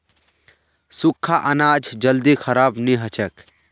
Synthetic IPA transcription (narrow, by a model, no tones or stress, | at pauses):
sukʰːaʔənaːd͡ʒʱd͡ʒəld̪ikʰəɾaːbniɦət͡ʃək